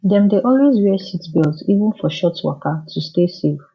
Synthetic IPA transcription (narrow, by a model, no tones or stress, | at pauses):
dɛ̃mdeʔɔlwezwɛsitbɛlˠzivə̃nfɔʃɔtwɔ̰katʰustesef